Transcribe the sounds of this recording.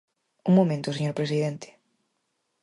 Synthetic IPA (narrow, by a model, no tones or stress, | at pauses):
uŋmomẽnt̪ʊseɲoɾpɾes̬iðɛnt̪ɪ̥